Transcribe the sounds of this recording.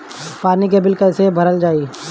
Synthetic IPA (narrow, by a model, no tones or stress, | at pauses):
paːnikebɪlkɐsebʱɐɾəld͡ʒaːi